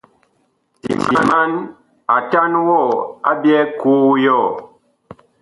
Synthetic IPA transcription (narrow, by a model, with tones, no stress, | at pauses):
ḭ˨ti˨ma˦n | a˨ta˦nwɔ˦˨a˦bjɛ˦ku˦jɔ˦˨